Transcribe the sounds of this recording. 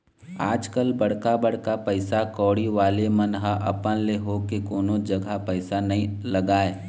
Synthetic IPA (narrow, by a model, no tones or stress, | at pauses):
aːd͡ʒkəlbɐɽkabəɽkapɛɪsakɔːɽiʋaːlemɐnɦaʔɐpənleɦoːkekoːnod͡ʒɐɡʱapɛɪsanɐɦĩlɐɡaːeː